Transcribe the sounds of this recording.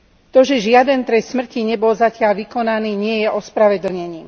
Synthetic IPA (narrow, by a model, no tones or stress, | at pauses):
t̪ɔʒɛʒɪad̪ɛnt̪ɾɛssmr̩ciɲɛbɔlzacɪalʋikɔnaniːɲɪɛjɛʔɔspɾaʋɛd̪l̩ɲɛɲiːm